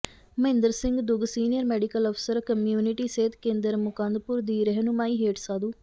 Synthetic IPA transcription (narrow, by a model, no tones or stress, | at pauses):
məɦɪ̃nd̪əɾsɪ̃ŋɡd̪ʊɡsiːnijəɾmɛːɖikəlɔːpʰsəɾkəmjuːnɪʈiːseːt̪kẽːnd̪əɾmʊkãːnd̪pʊɾd̪iːɾɛɦnʊmaːiːɦeːʈsaːd̪uː